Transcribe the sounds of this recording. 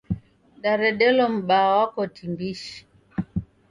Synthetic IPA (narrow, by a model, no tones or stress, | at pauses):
ɗaɾɛɗɛlɔm̩ɓawakɔtimbiʃi̥